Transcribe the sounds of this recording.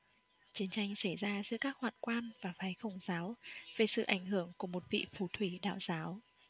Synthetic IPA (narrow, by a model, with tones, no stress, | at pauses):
t͡ɕi˨˦ənt͡ɕa˧jŋ̟sa˧˩jzaː˧zɨ̰˧˥əkaː˦˥k̚hwa̰ː˧˨nkwaː˧nvaː˨˩faː˨˦jxə˧˩wŋ͡mzaː˨˦wve˨˩sɨ̰˧˨ʔa˧˩jŋ̟ɦɨ˧˩əŋku˧˩əmo˨˩t̚vḭ˧˨fu˨˩t̪ʰwi˧˩ɗa̰ː˧˨wz̥aː˨˦w